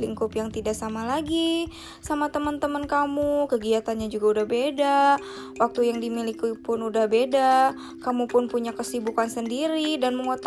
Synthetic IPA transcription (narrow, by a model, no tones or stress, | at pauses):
liŋkʊpjaŋt̪idaʔsamalaɡi | samat̪əmənt̪əmənkamukəɡiat̪anɲad͡ʒuɡaudahbeda | wak̚t̪ujaŋdimilikipʊnudahbeda | kamupʊnpuɲakəsibukansəndiɾidanməŋot̪